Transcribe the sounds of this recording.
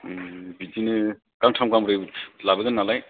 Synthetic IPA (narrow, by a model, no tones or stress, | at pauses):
bid͡ʒinɯ | kaŋtʰamkamɾɯjlabɯɡɯnːalaj